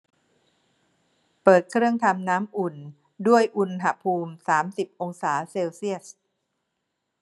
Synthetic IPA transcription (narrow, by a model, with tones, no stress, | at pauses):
pɤː˨˩t̪̚kʰɾɯ˥˩əŋt̪ʰa˧mnaː˦˥mʔu˨˩n | du˥˩əjʔu˧nɦa˧pʰuː˧msaː˩˦msi˨˩p̚ʔo˧ŋsaː˩˦seː˧wsi˥˩əs̚